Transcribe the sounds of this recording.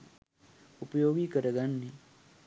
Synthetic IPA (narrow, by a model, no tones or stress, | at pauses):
ʊpjoːɡikəɾəɡanːi